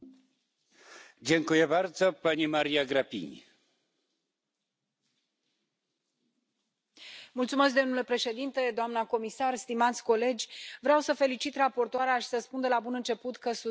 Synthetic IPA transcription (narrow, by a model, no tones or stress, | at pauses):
d͡ʑeŋkujɛvaɾzəpanʲimaɾʲijaɡɾapʲḭɲʲ | mult̪sume̞sk̚d̪o̞mnule̞pɾe̞ʃe̞d̪int̪e̞d̪oamnəko̞misarst̪imat̪sʲko̞le̞d͡ʒʲvɾeawsəfe̞lit͡ʃit̪rapo̞rt̪oaɾeaʃi̥səspund̪elabunɨnt͡ʃe̞put̪kəsu